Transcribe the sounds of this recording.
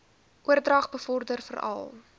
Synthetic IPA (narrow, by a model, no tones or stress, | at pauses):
ʔuərdrɐχbəfɔrdərfə̰ɾɐ̰lˠ